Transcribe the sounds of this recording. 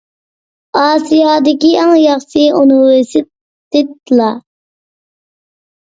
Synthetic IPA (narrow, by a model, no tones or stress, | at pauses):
ɑːsijɑːd̪ɪkʲiɛŋjɑχsɨonuwɪsɪ | d̪ɪt̪̚lˠɑ